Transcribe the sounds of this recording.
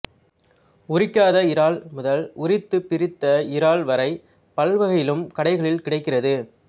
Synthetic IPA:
ʊrɪkːaːðɐɪɾaːlmʊðɐlʊrɪt̪ːɯpːɪɾɪt̪ːɐɪɾaːlʋɐɾɐɪ | pɐlʋɐɣɐjɪlɯmkɐɽɐɪɣɐɭɪlkɪɽɐɪkːɪrɐðɯ

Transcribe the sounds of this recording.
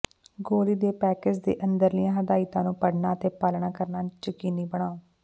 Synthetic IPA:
ɡoːɾiːd̪eːpɛːkɪd͡ʒd̪ḛːʔənd̪əɾlɪjãːɦəd̪aːɪt̪ãːnũːpəɽnãːət̪eːpaːlɳaːkəɾnaːt͡ʃəkiːniːbəɳ̃aːoː

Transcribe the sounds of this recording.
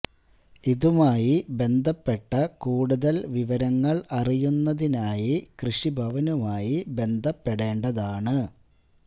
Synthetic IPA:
iðumaːjibe̞nd̪ʱɐpːe̞ʈːɐkuːɽuðɐlʋiʋɐɾɐŋːɐɭɐrijunːɐðinaːjikrɨʂibʱɐʋɐnumaːjibe̞nd̪ʱɐpːeɽe̞ːɳɖɐðaːɳɨ

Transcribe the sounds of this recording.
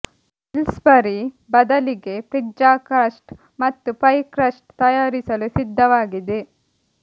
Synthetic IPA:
ilsbɐɾi | bɐd̪ɐliɡe̞pɾid͡ʒaːkɐsʈ | mɐt̪ːupɐjkɾɐsʈ̚t̪ɐjaːɾisɐlusid̪ʱːɐʋaːɡid̪e

